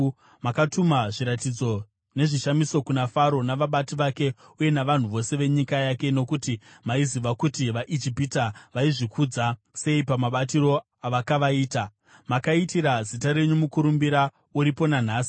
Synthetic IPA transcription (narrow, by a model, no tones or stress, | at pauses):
makatumaʐiɾatid͡zo̞ | ne̞ʐiʃamiso̞kunafaɾo̞naʋaɓatiʋake̞ | uje̞naʋan̤uʋo̞se̞ʋe̞ɲikajake̞no̞kutimaiziʋakutiʋaʔid͡ʒipitaʋaiʐikud͡za | se̞ipamaɓatiɾo̞ | aʋakaʋaiːta | makaitiɾazitaɾe̞ɲumukuɾumbiɾa | uɾipo̞nan̤aːsi̥